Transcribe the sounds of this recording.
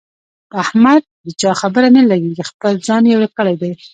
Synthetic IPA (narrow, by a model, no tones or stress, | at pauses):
ahmad̪̚d̪ət͡ʃɑxabəɾanalaɡeɡixpəld͡zɑnjewɾekəɽajd̪aj